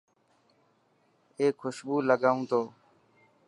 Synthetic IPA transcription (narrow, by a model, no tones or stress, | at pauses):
eːkʰːʊʃɓuːləɠaːũːt̪oː